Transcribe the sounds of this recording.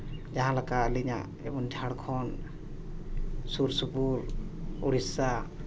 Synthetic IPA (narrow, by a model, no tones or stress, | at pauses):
d͡ʒaɦãlakaliɲa̰ | ɛbɔndʱaɽkʰɔn | suɾsupuluɾisa